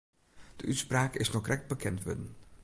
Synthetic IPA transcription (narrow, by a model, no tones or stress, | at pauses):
d̥əʔytspraːkɪsnɔχrʔɛk̚t̚bəkɛntʋə̰dən